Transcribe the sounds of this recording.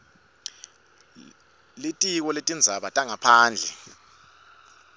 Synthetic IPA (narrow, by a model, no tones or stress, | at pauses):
litʼik̬ɔletʼind͡zʱaɓatʼaŋapʰaːnd͡ɮʱɛ